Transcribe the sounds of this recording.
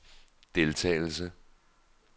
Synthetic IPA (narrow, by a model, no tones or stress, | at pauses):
d̥e̝lt͡sʰɛ̰ːɪl̩sə